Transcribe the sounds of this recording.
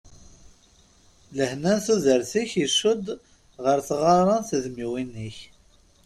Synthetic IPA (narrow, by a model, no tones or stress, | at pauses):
ləhnænθuðəɾθiçiʃːʊd̪ | ʁəɾθʁɑɾˤɑnθəðmiwinːiç